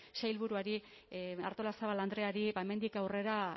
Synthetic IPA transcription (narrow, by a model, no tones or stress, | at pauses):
ʃajlβuɾuaɾi | a̰ɾt̪o̞lasaβaland̪ɾe̞aɾiβaeme̞nd̪ikawre̞ɾa